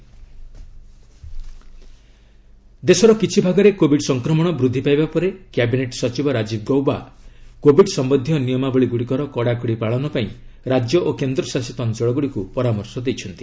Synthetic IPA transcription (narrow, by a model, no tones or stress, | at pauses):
d̪esɔɾɔkit͡ʃʰibʱaɡɔɾekobʱiɖsɔŋkɾɔmɔɽ̃ɔbɾud̪ʱːipajbapɔɾekjabineʈsɔt͡ʃibɔɾad͡ʒib̚ʰɡɔwbakobʱiɖsɔmbɔnd̪ʱijɔnijɔmabɔɭiɡuɽikɔɾɔkɔɽakuɽipaɭɔnɔpaĩɾad͡ʒjɔʔokend̪ɾɔsasit̪ɔnd͡ʒɔɭɔɡuɽikupɔɾamɔɾsɔd̪ejt͡ʃʰɔnt̪i̥